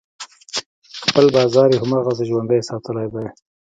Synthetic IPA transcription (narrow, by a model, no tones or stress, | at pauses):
xpəlbɑːzɑɾjehʊmɑːɣazəʒwand̪əjsɑt̪əlajd̪aj